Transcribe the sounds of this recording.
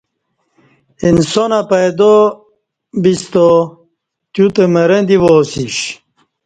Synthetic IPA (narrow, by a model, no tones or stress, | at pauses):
insonɐpɐjd̪o | bist̪o | t̪jut̪emɐɾɐnd̪iʋoːsiɕ